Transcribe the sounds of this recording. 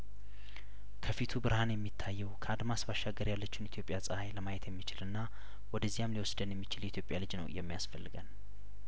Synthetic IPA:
kʰəfit̪ʰubɨɾhanjɛmːit̪ʰːajːɛwkʰəad̪masbaʃaɡəɾjalːət͡ʃːunit̪ʰjopʼjasʼəhajləmajɛt̪ʰjɛmːit͡ʃɪlɨnːa | wɔd̪əzːijamliwɔsd̪ənjɛmːit͡ʃɪljɛit̪jo̞pʼjalɨd͡ʒnə̰wjɛmːijasfəlːɨɡən

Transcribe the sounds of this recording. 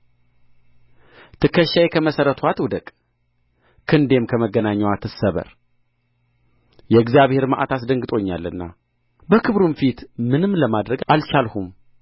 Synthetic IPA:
t̪ʰɨkʰːəʃːajekʰəməsəɾət̪ʰuat̪wd̪əkʼ | kʰɨnd̪e̞mkʰəməɡːənaɲːawat̪ʰːɨsəβə̰ɾ | jɛɨɡzijaβhe̞ɾmaʔa̰t̪ʰasd̪əŋɡɨt̪ʼo̞ɲːalːɨ̰nːa̰ | bəkʰɨβɾumfit̪mɨnɨmːləmad̪ɾəɡalt͡ʃalhum

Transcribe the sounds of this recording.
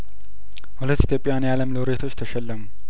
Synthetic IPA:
hulət̪ːit̪ʰjo̞pʼːijanjaləmlowɾe̞t̪ʰo̞t͡ʃːt̪ʰəʃɛlːəmu

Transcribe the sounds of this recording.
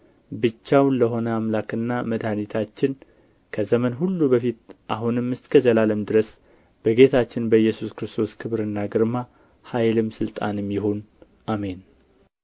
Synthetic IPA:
bɨt͡ʃːawnləɦo̞nəamlakɨnːaməd̪hanit̪ʰat͡ʃːɪn | kʰəzəmənɦulːubəfit̪ʔaɦunɨmːɨst̪ʼkʰəzəlaləmd̪ɨɾəs | b̥əɡe̞t̪ʰat͡ʃːɪnbəjːɛsuskɾɨst̪ʰo̞skʰɨβɾɨnːaɡɨɾma | hajlɨmsɨlt̪ʼa̰nɨmjɪhon | ʔame̞n

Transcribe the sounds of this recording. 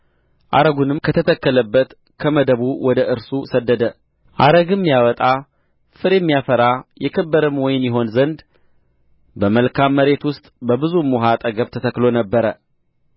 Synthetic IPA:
ʔa̰ɾəɡunɨmkʰət̪ʰət̪ʰəkːələbːət̪ | kʰəməd̪əβuwɔd̪əʔɨɾsusəd̪ːəd̪ə | ʔaɾəɡɨmːjawɔt̪ʼa | fɨɾjɛmːijafəɾajɛkʰəbːəɾɨmwɔjɪnjɛɦo̞nzənd̪ | bəməlkʰamːəɾe̞t̪wʊst̪ʼbəbɨzumuɦat̪ʼəɡəβt̪ʰət̪ʰəkːlo̞nəbːəɾə

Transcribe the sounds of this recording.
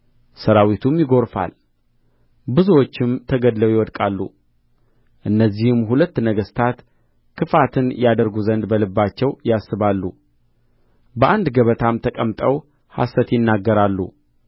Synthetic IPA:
səɾawit̪ʰumjɪɡo̞ɾfa̰l | bɨzuwo̞t͡ʃːɪmt̪ʰəɡəd̪ləwjɪwɔd̪kʼalːṵ | ʔɨnːəzːihɨmɦulət̪ːnəɡəst̪ʰat̪ | kʰɨfat̪ʰɨnjad̪əɾɡuzənd̪bəlɨbːat͡ʃːɛwjasːɨβalːṵ | bəʔand̪ɡəβət̪ʰamt̪ʰəkʼəmt̪ʼəw | ha̰sət̪jɪnːaɡːəɾalːṵ

